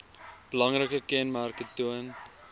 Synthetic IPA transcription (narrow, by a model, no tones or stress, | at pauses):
b̥əlɐŋrəkəkɛnmærkətuən